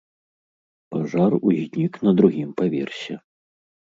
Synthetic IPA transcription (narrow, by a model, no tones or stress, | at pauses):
paʐaruzʲnʲiknɐd̪ɾuɣʲimpavʲɛ̰rsʲɛ